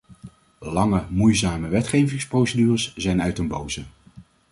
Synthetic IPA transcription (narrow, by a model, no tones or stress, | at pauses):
lɑŋəmujzaːməʋɛtχejvɪŋsprowsədyːrəszɛjnœɥtənbowzə